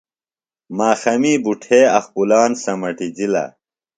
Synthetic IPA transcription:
maːxɐmiːbuʈʰeːɐxpulaːnsɐmɐʈid͡ʑilɐ̰

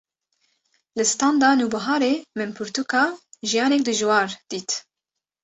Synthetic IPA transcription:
lɨst̪ɑːnd̪ɑːnuːbaɦɑːɾeːmɨnpʰʊɾt̪ukɑːʒijɑːnɛk̚d̪ɨʒwɑːɾd̪̥iːt̪

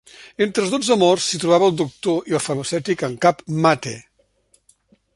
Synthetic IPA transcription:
ent̪ɾəzðod͡zzəmɔrsːit̪ɾuβaβəːlˠd̪uk̚t̪oiəlˠfəməsɛt̪ikəŋkapmat̪e

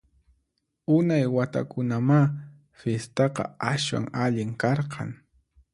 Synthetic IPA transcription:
ʊnajwat̪a̰kʊnama | fjest̪ɑqɑ̰aswa̰ŋaʎɪŋkɑɾqʰɑ̰ŋ

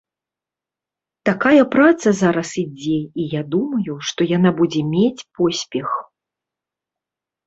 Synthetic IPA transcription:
t̪akajɐpɾat̪sɐzaɾɐsid͡zʲɛijad̪umɐjuʂt̪ɔjanabud͡zʲɛmʲet͡sʲpɔsʲpʲɛx

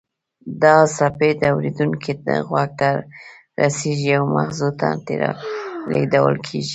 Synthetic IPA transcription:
d̪ɑsaped̪əawɾed̪uŋkʰid̪əɣwaɡ̚t̪a | ɾaseʒiawmahzot̪a̰t̪eɾaleɡd̪awə̰lkʰeʒi

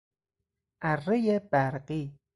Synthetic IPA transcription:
ʔærejebæɾqiː

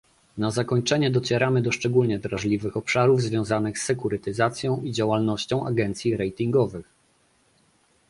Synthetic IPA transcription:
nazakɔɲt͡ʂɛɲɛd̪ɔt͡ɕɛɾamɘd̪ɔʂt͡ʂɛɡulɲɛd̪ɾaʐlʲivɘxɔpʂaɾuvzvʲjɔ̃w̃zanɘxsːɛkuɾɘt̪ɘzat̪sʲjɔ̃w̃id͡ʑawalnɔɕt͡ɕɔ̃w̃ʔa̰ɡɛnt̪sʲjiɾɛjt̪iŋɡɔvɘx

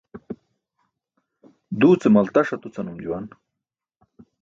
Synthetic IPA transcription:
d̪uːt͡semɐlt̪ɐʂɐt̪ut͡sɐnumd͡ʑuwan

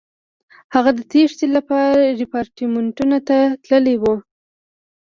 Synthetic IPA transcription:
haɣad̪ət̪eʂt̪elapɑɾaɾɪpɑɾʈimɪɳʈunat̪at̪ləlewu

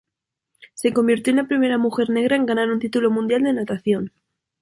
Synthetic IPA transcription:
se̞ko̞mbiɾt̪jonapɾime̞ɾamuxe̞ɾne̞ɣ̞ɾae̞ŋɡanaɾunt̪it̪ulo̞mũnd̪jald̪e̞nat̪aθjo̞n

